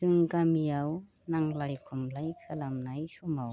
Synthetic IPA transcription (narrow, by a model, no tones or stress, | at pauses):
ɯŋkamijaw | naŋlaɾikʰumlajkʰalamnajsumaw